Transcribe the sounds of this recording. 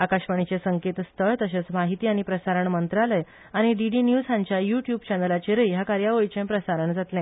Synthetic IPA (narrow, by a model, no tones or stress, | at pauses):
akaɕʋəɳit͡ɕesəŋket̪st̪ʰəɭt̪əɕẽt͡smaɦit̪iːaɽ̃ipɾəsaɾəɳmənt̪ɾaləj | aɽ̃iɖiɖinjusaɲt͡ɕjajuʈjubt͡ɕɛnəlat͡ɕeɾəiɦakaɾjaʋəit͡ɕẽmpɾəsaɾəɳd͡zat̪lɛ̃